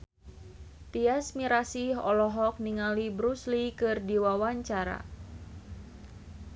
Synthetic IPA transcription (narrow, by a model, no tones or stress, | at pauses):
t̪iasmiɾasiɦɔlɔɦɔk̚niŋalibɾuslikɨrdiwawaɲt͡ʃaɾa̰